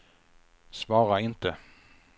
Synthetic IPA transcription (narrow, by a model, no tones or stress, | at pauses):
svɑːɾaɪnt̪ə